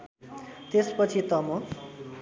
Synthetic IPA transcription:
t̪espʌt͡sʰit̪ʌmʌ

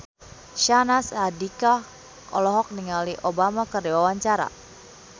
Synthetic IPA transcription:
ʃanasadikah | ʔɔlɔɦɔk̚niŋaliʔɔbamakərdiwawaɲt͡ʃaɾa̰

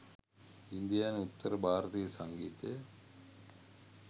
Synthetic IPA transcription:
ind̪ijaːnut̪ːɐɾɐbʱaːɾɐt̪ijɐsɐŋɡiːt̪e

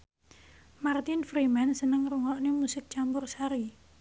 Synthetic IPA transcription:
mart̪ɪnfɾimansənəŋɾuŋɔʔnimusɪk̚t͡ʃambʊrsaɾi

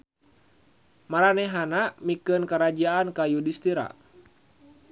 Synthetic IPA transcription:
maɾanɛɦanamikənkəɾad͡ʒaːnkajudist̪iɾa̰

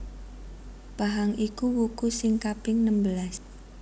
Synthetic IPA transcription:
b̥aɦaŋikuwukusɪŋkapɪŋnəmbəlas

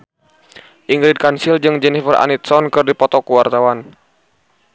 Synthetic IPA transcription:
ʔiŋɡɾid̚kansild͡ʒɨŋd͡ʒɛnifərʔa̰nit̪̚sɔnkɨrdipɔt̪ɔkuwart̪awan

